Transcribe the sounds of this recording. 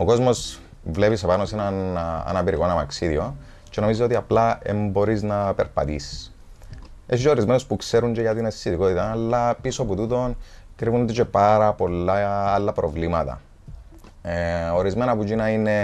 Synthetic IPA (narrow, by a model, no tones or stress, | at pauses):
oko̞zmo̞s | vle̞pisepanosenanɐ̰nɐpiɾikonɐmɐksiðio | t͡ʃe̞no̞mizio̞t̪iɐplaḛmbo̞ɾiznapeɾpɐ̰t̪ḭs | esit͡ʃeoɾizme̞nospukse̞ɾuɲɟeɣɐt̪inest̪iðiko̞t̪it̪ɐlːɐpisoput̪ut̪o̞nkɾivund̪et͡ʃepaɾɐpo̞lːaːlːɐpɾʔovlimɐt̪ɐ̰ | oɾizme̞nɐpud͡ʒinɐine